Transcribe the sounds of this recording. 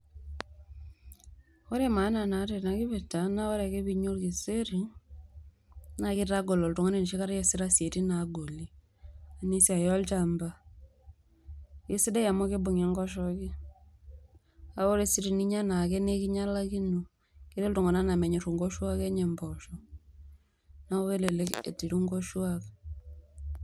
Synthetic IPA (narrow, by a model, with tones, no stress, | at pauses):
wɔ˦ɾɛ˦˨ma˨˦na˨na˨ɾe˨na˨kɪ˦βe˨ta˨na˦wɔ˦ɾɛ˨ke˦bi˧ɲo˦lki˨se˦ɾi˨ | na˨kɪ˦ɾa˦ɡo˨lɔ˨ltu˨ŋo˦ne˨n˨ʃi˦ka˦ɾjɛ˦sɪ˦ɾa˦sje˨ti˦na˨ɡo˨li˦ | a˨ni˦si˦a˨jɔ˦lt͡ʃa˨mba˦ | je˦si˦da˦ja˨mo˦ke˦bo˨ŋɛ˨˦ŋɡɔ˦ʃ̬ɔ˦kɪ˦ | a˨o˦ɾe˨si˦ɾi˨ni˦ɲa˦na˨ke˦ne˦ki˦ɲa˦la˦ki˦nu˨ | kɪ˦ɾe˦ltu˨ŋɔ˨na˦na˨mɛ˨ɲe˨ɾu˨ŋɡɔ˦ʃwa˦ke˦ɲɛ˨mbɔ˨ʃɔ˨ | na˦o˦ke˦le˨le˦kḛ˨ti˨ɾu˦ŋɡo˦ʃwa˦k